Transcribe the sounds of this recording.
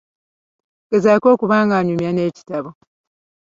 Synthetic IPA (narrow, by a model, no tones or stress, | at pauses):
ɡ̥ezaːko̞ːkuβaːŋɡaːɲumjane̞ːci̥taβo